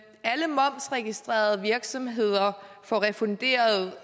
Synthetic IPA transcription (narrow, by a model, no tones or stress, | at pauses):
æləmɒ̽m̰sʁɛɡ̥isd̥ʁḛːɐð̞̩ˠəʋiɐɡ̥sɒ̽mɦe̝ð̞̰ˠɐfɒʁɛfɔ̽nd̥e̝̰ːɐð̩ˠ